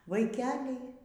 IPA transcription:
ʋɐɪˈkʲæːlʲɛɪ

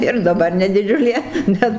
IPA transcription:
ɪr dɐˈbɐr nʲɛ dʲɪˈd͡ʒʲʊlʲeː ˈbʲɛt

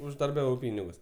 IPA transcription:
ʊʒdɐrʲˈbʲæːʋɐʊ ˈpʲiːnʲɪɡʊs

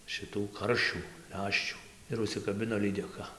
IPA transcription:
ʃʲɪˈtuː ˈkɐrʲʃʲuː ˈlʲæːʃʲt͡ʃʲuː ɪr ʊʃʲsʲɪkɐˈbʲɪnoː lʲiːdʲɛˈkɐ

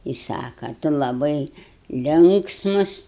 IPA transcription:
ɪ ˈsɑːkɐ ˈtʊ lˠɐˈbɐɪ ˈlʲɪŋksmʊs

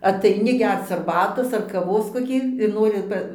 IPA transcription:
ɐtɐɪˈnʲɪ ˈɡʲɛrt͡s ɐrˈbɑːtoːs ɐr kɐˈʋoːs koːˈkʲiː ɪr ˈnoːrʲɪ ˈpɐ

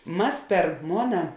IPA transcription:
ˈmɐs pʲɛr ˈmoːnɐ

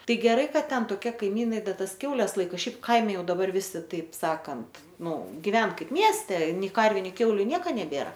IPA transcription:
ˈtɐɪ ɡʲɛˈrɐɪ ˈkɐt ˈtʲɛn toːˈkʲiɛ kɐɪˈmʲiːnɐɪ ˈdɐ ˈtɐs ˈkʲɛʊlʲɛs ˈlˠɐɪkɐ ˈʃʲɛɪp ˈkɐɪmʲɛ ˈjɛʊ dɐˈbɐr ˈʋʲɪsʲɪ ˈtɐɪp ˈsɑːkɐnt ˈnʊ ɡʲɪˈʋʲɛn ˈkɐɪp ˈmʲiɛsʲtʲɛ ˈnʲɛɪ ˈkɐrʲʋʲʊ ˈnʲɛɪ ˈkʲɛʊlʲʊ ˈnʲiɛkɐ nʲɛˈbʲeːrɐ

